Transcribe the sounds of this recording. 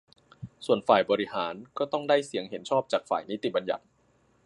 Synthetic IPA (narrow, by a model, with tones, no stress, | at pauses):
su˨˩ənfaː˨˩jbɔː˧ɾi˦˥haː˩˦nkɔː˥˩t̪ɔ˥˩ŋdaː˥˩jsi˨˩˦əŋɦe˩˦nt͡ɕʰɔː˥˩p̚t͡ɕaː˨˩k̚fa̰ː˨˩jni˦˥t̪i˨˩ba˧nja̰˨˩t̪̚